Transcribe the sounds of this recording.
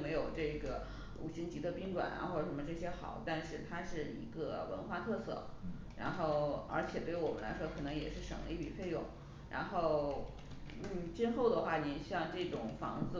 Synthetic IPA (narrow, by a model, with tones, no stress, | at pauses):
me˧˥ɪjo˨˩ʊʈ͡ʂɤ˥˩ɡə˩ | ṵ˨˩ɕi˧˥ŋt͡ɕi˧˥d̪ə˧pi˥ŋʈ͡ʂwa̰˨˩na̰˧xwɔ˥˩ə˩ʂə˧˥nmə˧ʈ͡ʂɤ˥˩ɕjɛ˥xɑ̰˨˩˦ʊt̪a˥˧nʂɻ̩˥˩t̪ʰa˥ʂɻ̩˥˩ḭ˧˥ɡə˧wə̰˧˥nxwa˥˧t̪ʰɤ˥˧sɤ̰˥˩ | ɻa̰˧˥nxo˥˩ʊə̰˞˧˥t͡ɕʰjɛ˨˩t̪we˥˩ɪ˥wɔ˨˩mə̰˦la̰˧˥ɪʂwɔ˥kʰɤ˨˩nɤ˧˥ŋjɛ̰˨˩ʂɻ̩˥˩ʂɤ̰˨˩ŋli˥˩pḭ˨˩fe˥˧ɪjʊ̰˥˩˦ŋ | ɻa̰˧˥nxo˥˧ʊ | n̩˥˩t͡ɕi˥nxo˥˩ʊd̪ə˩xwa˥˩ni˨˩ɕjɑ˥˧ŋʈ͡ʂɤ˥˩ʈ͡ʂʊ˨˩ŋfɑ̰˧˥ŋd͡zɹ̩˧